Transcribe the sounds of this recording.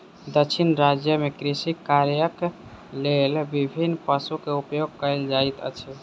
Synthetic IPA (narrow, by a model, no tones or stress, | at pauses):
d̪əkʃʰinɾad͡ʒjəmekɾisikːaɾjək | lelbibʱinːpəsukeupjoɡ̚kəeld͡ʒait̪ə̰t͡ʃʰi